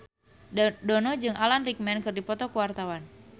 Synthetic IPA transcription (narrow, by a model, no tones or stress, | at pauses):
dɔnɔd͡ʒɨŋʔalanrik̚mɛnkɨrdipɔt̪ɔkuwart̪awan